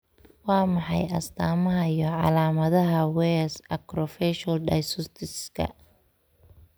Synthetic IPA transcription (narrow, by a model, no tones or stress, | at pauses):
wɑːmɑħɑ̰jɐ̰st̪ʰaːmɐɦɐjɔʕɑ̰laːmɐðɐɦɐwɛːsɐkɾɔfɛʃɐlɖɐjsʊst̪ʰɪskʰɐ̰